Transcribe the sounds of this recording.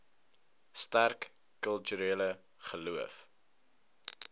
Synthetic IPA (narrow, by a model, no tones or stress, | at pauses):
stærkː | œlˠtyɾeːlə | χəluəf